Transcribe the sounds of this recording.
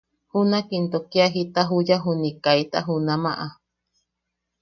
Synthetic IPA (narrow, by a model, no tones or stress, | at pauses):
hunakint̪okiaɦit̪aɦujaɦunikait̪a̰ɦunamã̰ʔa